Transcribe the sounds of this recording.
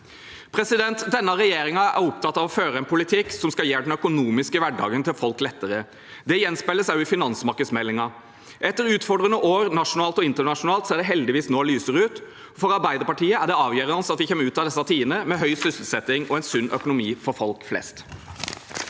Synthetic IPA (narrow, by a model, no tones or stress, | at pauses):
pʰɾɛsɪd̪ɛnt̪d̪ɛnːɑɾɛjeːɾɪŋɑʔæ̰ɾʊp̚t̪ʰɑt̪ːɑʋɔføːɾəɛnpʰʊlɪt̪ʰɪksɔmskɑljeːɖɛnœkʊnuːmɪskəʋæɖɑ̰ːɡənt̪ʰɪlfɔlklɛt̪ːəɾə | d̪ɛjɛnspæɪlːəsæɪʊɪfɪnɑnsmɑɾkəd̪smɛlːɪŋɑ | ʔɛt̪ːəɾʉːt̪fɔɖʁənəʔoːɾnɑʂʊnɑːlt̪ɔɪnt̪əɳɑʂʊnɑːlt̪seːɖ̪ɛɦɛld̪ɪʋiːsnoːlyːsəɾʉːt̪ | fɔɾɑɾbæɪd̪əpɑʈiːəæɖ̪ɛɑːʋjøːɾəɑnsɑt̪d̪ɪçɛmːʉːt̪ɑd̪ɛsːɑt̪ʰiːənəmɛɦœʏsʏsəl̩sɛt̪ːɪŋɔɛnsʉnːʔœkʊnʊmiːfɔɾfɔlkflɛ̰st̪